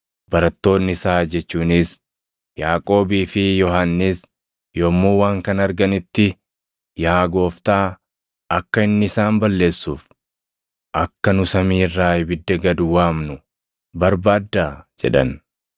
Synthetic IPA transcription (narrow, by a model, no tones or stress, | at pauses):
b̥ɐɾɐt̪ːo̞ːnːɪsaːd͡ʒɛt͡ʃːuːnɪs | jaːkʼo̞ːbiːfɪjɔɦanːis | jo̞ːmːuːwaːŋkɐnɐɾɡɐnɪt̪ːɪ | jaːɡo̞ːft̪aː | ʔɐkːɐɪnːɪɪsaːmbɐlːe̞ːsːuːf | ʔɐkːɐnʊsɐmiːrːaːɪbɪd̪ːɐɡɐd̪ʊwaːmnʊ | bɐɾbaːd̪ːaːd͡ʒɛ̰ᶑɐ̰n